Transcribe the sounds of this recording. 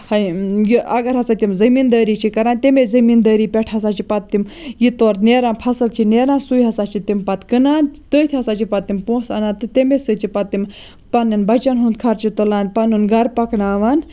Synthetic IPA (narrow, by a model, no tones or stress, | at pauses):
hɐjiʔɐɡɐɾɦɐsaːt̪imzɐmiːnd̪əːɾiːt͡ʃʰikɐɾaːnt̪emezɐmiːnd̪əːɾiːpʲeʈʰɦɐsaːt͡ʃipɐt̪ːimjit̪oːɾneːɾaːnpʰɐsɨlt͡ʃʰineːɾaːnsujɦɐsaːt͡ʃʰit̪impɐt̪kɨnaːnt̪əːt̪ʰiɦɐsaːt͡ʃipɐt̪ːimpõːsɐ̰naːnt̪ɨt̪emesɨt͡ʃʰipɐt̪ːim | pɐnɨnbɐt͡ʃɐnɦund̪̚kʰɐɾt͡ʃit̪ulaːnpɐnunɡɐɾpɐknaːʋaːn